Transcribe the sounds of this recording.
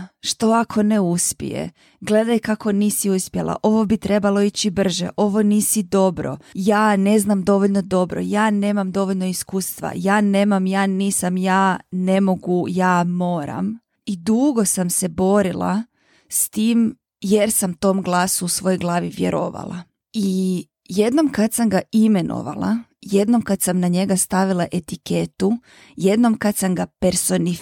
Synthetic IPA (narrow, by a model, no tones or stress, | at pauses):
ʃt̪o̞akʰo̞neuspḭjḛ | ɡle̞d̪ajkako̞niːsiuspjelˠa̰ʔo̞ʋo̞bit̪ɾe̞balˠo̞it͡ɕibr̩ʒḛʔo̞ʋo̞niːsid̪o̞bɾo̞̰jaːne̞znamd̪o̞ʋoʎno̞d̪o̞bɾo̰jaːne̞ːmamd̪o̞ʋoʎʲno̞iskuːst̪ʋa̰jaːne̞ːmamjaːniːsamjaːne̞mo̞ɡujaːmo̞ːɾa̰m | id̪uɡo̞samse̞bo̞ɾilˠa̰ | st̪iːm | je̞ɾsamt̪o̞ːmɡlˠaːsuːsʋo̞joɡlˠaːʋiʋje̞̰ɾʔo̰ːʋa̰lˠa̰ | i | je̞d̪no̞mkat̪samɡaime̞nʔo̞̰ʋa̰lˠa̰jed̪no̞mkat̪samnaɲe̞ɡast̪aʋilˠaʔe̞t̪iket̪u | je̞d̪no̞mkat̪samɡapeɾso̞ni